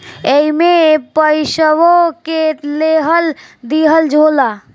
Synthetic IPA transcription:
eimepəɪʃəwokeleɦəld̪iɦəld͡ʒʱoːla

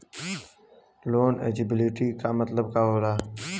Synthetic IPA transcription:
loːnḛːd͡ʒɪbɪliʈikamət̪ləbkaːɦoːɾaː

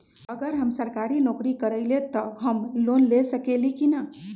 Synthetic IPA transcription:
əɡəɾɦəmsəɾkaɾinokɾikəɾəɪlet̪əɦəmlonlesəkelikinə

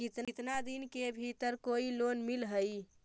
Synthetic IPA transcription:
kit̪t̪nad̪inkebʱit̪əɾkoilonmilɦəj

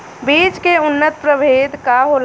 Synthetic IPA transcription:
biːd͡ʒkeʊnːət̪̚pɾəbʱeːd̪kaɦoːl

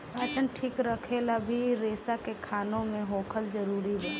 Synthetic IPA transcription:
at͡ʃənʈʰiːkɾəkʰelabʱiɾeːsakekʰaːnõmẽɦoːkʰəld͡ʒəɾuːɾiɦɛː

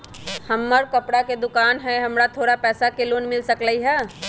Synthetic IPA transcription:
hɐmːəɾkɐpɽaked̪ʊkaːnɦɛɦɐmɾat̪ʰoːɽapɛːsakeloːnmɪlsəkləiɦɛː

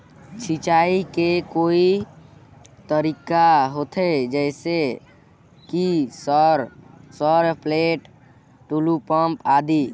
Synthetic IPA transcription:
t͡ʃʰit͡ʃaːikekoːi | t̪əɾikaɦot̪ʰed͡ʒɛɪse | kisɾsɔɾpleːʈ | ʈulupəmpaːd̪i

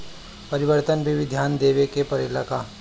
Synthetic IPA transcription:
pɐɾɪʋəɾt̪ənbʱiʋɪd̪ʱjaːnd̪eːʋekepɐɾelaka

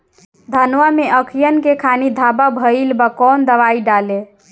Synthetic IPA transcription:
d̪ʱənʋameʔəkʰijənkekʰanid̪ʱababʱəilbakɔnd̪əʋaiɖale

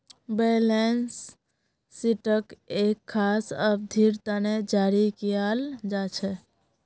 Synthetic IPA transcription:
belensː | iʈəkekʰːasəb̚d̪ʱiɾt̪aned͡ʒaɾikijald͡ʒat͡ʃʰɛ

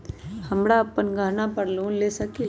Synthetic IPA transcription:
hɐmɽaɐpːənɡʱaːnapəɽlũleːsɐki

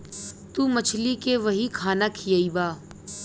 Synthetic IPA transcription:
t̪uːmət͡ʃʰlikeʋɐɦikʰaːnakʰijəibaː

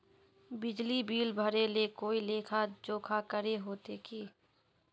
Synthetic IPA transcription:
bɪd͡ʒlibiːlbʱəɾelekoːileːkʰad͡ʒoːkʰakəɾeɦoːt̪ekiː

